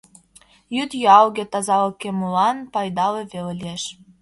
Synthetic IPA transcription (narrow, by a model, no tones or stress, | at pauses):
jyt̪jɑlɣet̪ɑzɑlɤkemulɑnpɑjd̪ɑleβellʲieʃ